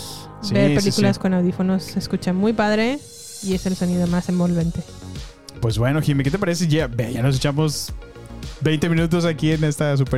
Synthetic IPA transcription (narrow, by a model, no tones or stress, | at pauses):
sibepelikulasko̞nawðifo̞nosːeskut͡ʃamujpaðɾe | ie̞se̞lso̞nið̞o̞mase̞mbo̞lβe̞nt̪e̞ | pwezbwenoximeke̞t̪ep̬aɾes̬eʝebeʝanos̬et͡ʃamoz | bejnt̪emĩnut̪̬o̞s̬akiene̞st̪as̬upe